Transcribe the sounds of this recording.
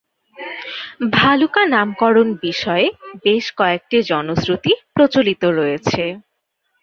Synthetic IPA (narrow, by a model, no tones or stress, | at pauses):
bʱalukanamkɔɾonbiʃɔebeʃkɔek̚ʈid͡ʑɔnosɾot̪ipɾot͡ɕolit̪oɾojet͡ɕʰe